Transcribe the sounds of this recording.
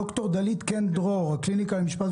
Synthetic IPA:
okt̪oʁd̪alid̪kend̪ʁoʁhaklinikalemiʃpat

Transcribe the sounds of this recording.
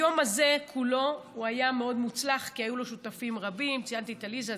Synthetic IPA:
jomaze̞kʰulo̞uajame̞o̞dmut͡slaχkiajulo̞ʃutafimʁabimt͡siant̪iet̪aliza

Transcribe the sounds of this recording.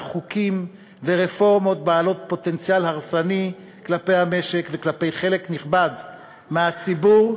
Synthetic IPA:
χukim | veʁe̞fo̞ʁmo̞t̪̚baːlo̞t̪̚po̞t̪e̞nt͡sjalhaʁsani | klape̞jhame̞ʃe̞kveklape̞jχe̞le̞kniχbad | meat͡sibuʁ

